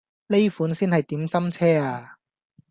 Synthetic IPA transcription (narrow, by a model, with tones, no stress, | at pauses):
le˥jfuː˨˥nsiː˥nhɐ˨jt̪iː˨˥msɐ˥mt͡sʰɛː˥aː˧